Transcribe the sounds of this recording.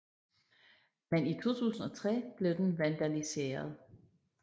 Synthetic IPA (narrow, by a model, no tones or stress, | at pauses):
menit͡sʰo̝̰ːt͡sʰṵːsn̩ɒ̽t͡sʰʁɛ̰ːb̥le̝ʊd̥enʋænd̥ælise̝̰ːɐð̞ˠ